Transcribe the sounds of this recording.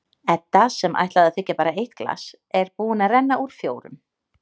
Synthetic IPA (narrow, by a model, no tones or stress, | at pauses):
ɛnt̪ːasɛmʔa̰jht̪laðaðθɪcːapaːɾaejht̪̚kla̰s | ɛɾpuːɪnarɛnːaʔuɾ̥fjoːwɾʏ̰m